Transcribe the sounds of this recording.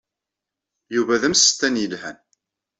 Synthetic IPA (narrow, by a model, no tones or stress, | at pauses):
juvæðæmst̪ːænjəlhæn